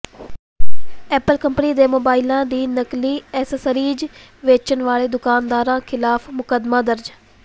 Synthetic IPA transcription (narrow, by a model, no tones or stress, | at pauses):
ɛːpəlkəmpniːd̪eːmoːbaːɪlãːd̪iːnəkliːɛːsəsəɾiːd͡ʒ | ʋeːt͡ʃənʋaːleːd̪ʊkaːnd̪aːɾãːkʰɪlaːpʰmʊkəd̪maːd̪əɾd͡ʒ